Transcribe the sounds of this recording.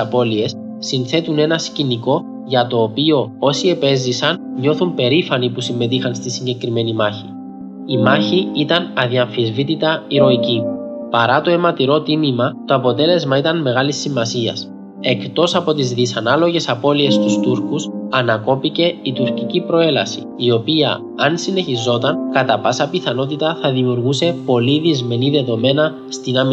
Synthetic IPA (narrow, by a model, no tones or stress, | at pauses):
ɐpo̞lie̞sː | inθe̞t̪une̞nɐsciniko̞ | ʝɐt̪o̞ːpio̞o̞sie̞pe̞zisɐnɲo̞θumpe̞ɾifɐnipusimːe̞t̪ixɐnst̪isiɲɟe̞kɾime̞nimɐçi | imɐçiit̪ɐnɐðiɐɱfizvit̪it̪ɐiɾo̞icipɐɾɐt̪o̞e̞mɐt̪iɾo̞t̪imimɐt̪o̞ɐpo̞t̪e̞le̞zmɐit̪ɐnme̞ɣɐlisːimɐsiɐ̰s | e̞kt̪o̞sɐpo̞t̪izðisɐnɐlo̞ʝe̞sɐpo̞lie̞st̪ust̪uɾkusɐnɐko̞pice̞it̪uɾcicipɾo̞e̞lɐ̰sḭ | io̞piɐ̰ | ɐnsine̞çizo̞t̪ɐnkɐt̪ɐpɐsɐpiθɐno̞t̪it̪ɐθɐðimiuɾɣuse̞po̞liðizme̞niðe̞ðo̞me̞nɐ | st̪inɐm